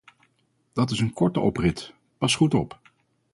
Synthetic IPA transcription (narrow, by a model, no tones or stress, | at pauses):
d̥ɑt̬ɪsənkɔɹtəʔɔprɪt | pɑsχutɔp